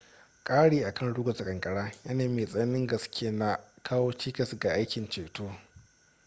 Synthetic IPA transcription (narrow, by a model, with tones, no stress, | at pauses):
kʼaː˦ɽiː˨ʔa˨kʰɐ˦˨nɽʊː˦ɡʷɐ˨sa˨kʼɐ˨ŋkʼɐ˨ɽaː˦ja˦naː˨meː˨sʼɐ˦nɪ˦ŋɡɐ˨skʲʰeː˦na˨kʰaː˦woː˦t͡ʃiː˦kɐ˨sɡa˨ʔa˦jkʲɪ˨nt͡ʃeː˨toː˦